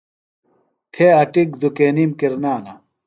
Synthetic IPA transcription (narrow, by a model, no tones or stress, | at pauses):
t̪ʰeɐʈikd̪ukeːnimkiɾnaːnɐ